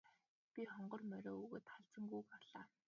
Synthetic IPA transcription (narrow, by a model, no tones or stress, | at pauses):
pʲiχɔɴɢɞ̆rmœɾʲoːuɣoːt̪χaɮt͡sə̆ŋɡujkaɮaː